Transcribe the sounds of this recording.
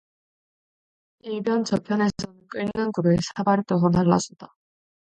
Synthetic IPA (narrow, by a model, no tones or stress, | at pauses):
iɭbjʌnt͡ɕʌpʰjʌne̞sʰʌnɯnk͈ɯɭnɯnɡuɾɯsʰabaɾɯt͈ʌs̬ʰʌnaɭːa̰d͡ʑʌd͈a